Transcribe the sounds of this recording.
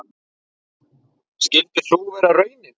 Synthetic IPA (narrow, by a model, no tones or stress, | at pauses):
scɪlt̪ɪ̥suvɛɾarœːɥnɪn